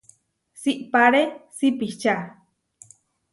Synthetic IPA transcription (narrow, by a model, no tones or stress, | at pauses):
siʔpaɾesipiht͡ʃa